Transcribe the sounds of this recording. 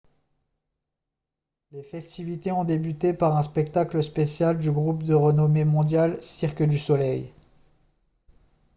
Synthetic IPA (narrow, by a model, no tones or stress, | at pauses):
lefɛst̪ivit̪eɔ̃d̪ebyt̪epaʁɛ̃spɛk̚t̪akləspesjald̪yɡʁupd̪əʁənɔmemɔ̃d̪jalsiʁkʲəd̪ysɔlɛj